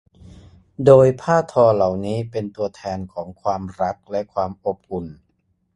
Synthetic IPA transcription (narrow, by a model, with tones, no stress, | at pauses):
doː˧jpʰaː˥˩t̪ʰɔː˧la˨˩wniː˦˥pe˧nt̪u˧ɐt̪ʰɛː˧nkʰɔː˩˦ŋkʰwaː˧mɾa˦˥k̚lɛ˦˥kʰwaː˧mʔo˨˩p̚ʔu˨˩n